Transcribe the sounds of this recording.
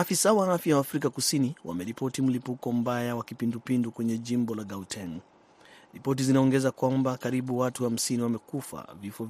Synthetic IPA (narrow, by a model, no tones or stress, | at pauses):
afisawaafjawaːfɾikakusiniwa̰mɛɾipɔtim̩lipukɔm̩bajawakipindupindukwɛɲɛʄimbɔlaɡautʰɛn | ɾipɔt̬izinaɔŋɡɛzakwambakaɾiɓuwatuham̩siniwamɛkufa̰vifɔ